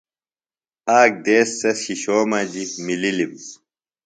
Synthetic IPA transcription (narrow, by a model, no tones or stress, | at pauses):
aːk̚d̪eːsːɐsɕiɕoːmɐd͡ʑimililim